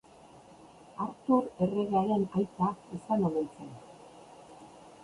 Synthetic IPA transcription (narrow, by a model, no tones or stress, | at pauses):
aɾt̪uɾe̞reɣeaɾe̞najt̪aisanoðet͡sen